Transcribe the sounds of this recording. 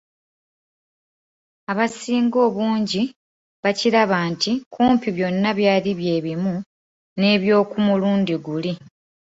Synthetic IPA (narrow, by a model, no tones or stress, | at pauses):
aβasiːŋɡo̞ːβuːɲɟi | βaciɾaβaːntikuːmpiβjo̞nːaβjaːliβje̞ːβimu | ne̞ːβjo̞ːkumuluːndiɡuli